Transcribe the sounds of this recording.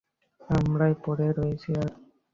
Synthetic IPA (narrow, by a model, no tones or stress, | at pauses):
amɾajpɔɽeɾojet͡ɕʰiaɾ